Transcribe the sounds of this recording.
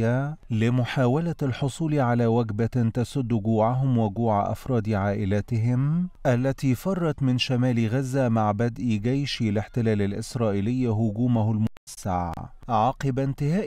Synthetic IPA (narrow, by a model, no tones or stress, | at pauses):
alɪmʊħaːwalalħʊsˤuːlʕalaːwaɡbat̪asʊd̪ːɡuːʕaɦʊmwɪɡuːʕaʔɑ̰fɾˤɑːd̪iʕaːʔɪlaːt̪ɪɦɪmʔalːat̪iːfɑrˤːɑt̪mɪnʃamæːliɣazːamaʕbad̪ʔiɡajʃlɪħt̪ɪlæːlalʔɪsɾˤɑːʔɪlɪjːaɦʊɡuːmʊhʊlmʊ | sːa̰ʕʕɑːqɨbnt̪ɪhaːʔ